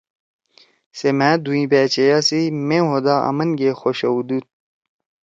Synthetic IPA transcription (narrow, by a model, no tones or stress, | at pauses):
semæːd̪uĩbæːt͡ɕejasimẽɦod̪aːɐ̰mɐnɡexoɕɐud̪ut̪̚